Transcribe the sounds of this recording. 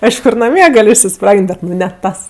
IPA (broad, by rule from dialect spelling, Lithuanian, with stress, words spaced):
ˈɐɪʃkʊ ɪr nɐˈmʲiɛ ˈɡɐlʲ ɪʃʲsʲɪˈsprɑːɡʲɪnʲtʲ ˈbʲɛt nʊ nʲɛ ˈtɐs